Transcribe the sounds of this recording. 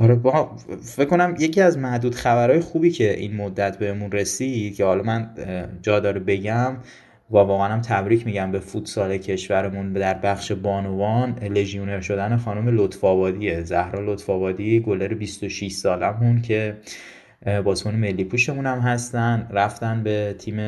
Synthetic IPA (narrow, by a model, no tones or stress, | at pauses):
ʔɒɾebɒ | fecko̞næmje̞ciæzmæhd̪uːd̪xæbæɾɒːjexuːbiːcʰe̞ʔḭnmod̪ːæt̪ʰbe̞hemunre̞sid̪̥̚kcʰe̞hɒlɒmænd͡ʒɒːd̪ɒːɾibe̞ɟæm | vɒːvɒːɣæænæmt̪ʰæbɾiːcʰmiɟæmbe̞fut̪sɒːle̞cʰe̞ʃvæɾemund̪æɾbæxʃebɒːnovɒnle̞ʒione̞ɾʃo̞d̪ænexɒːnomelot̪fɒːbɒːd̪iezæhɾɒːlot̪fɒːbɒːd̪iɡoleɾebist̪oʃiʃsɒːlæmuncʰe̞ | bɒːsmɔːneme̞lːiːpʰuʃe̞muːnæmɦæst̪ænd̪ræft̪ænbe̞t̪ʰiːme